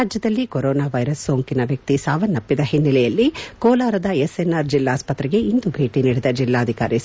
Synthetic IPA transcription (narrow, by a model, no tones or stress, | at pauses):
aːd͡ʒjɐd̪ɐlːikoɾɔːnaːʋɐjɾɐsːoːŋkinɐʋjɐk̚t̪isaːʋɐnːɐpːid̪ɐɦinːilɛjɐlːikɔːlaːɾɐd̪ɐesenːaɾd͡ʒilːaːspɐt̪ɾɛɡe̞ind̪ubʱeːʈiniːɽid̪ɐd͡ʒilːaːd̪ʱika̰ːɾi